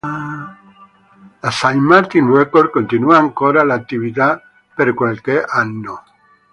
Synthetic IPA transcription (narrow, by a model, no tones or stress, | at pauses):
lasajmaɾt̪inɾekoɾd̪̚kõnt̪inuaːŋkoɾalaːt̪ːiβit̪a | peɾkwalkeʔanːo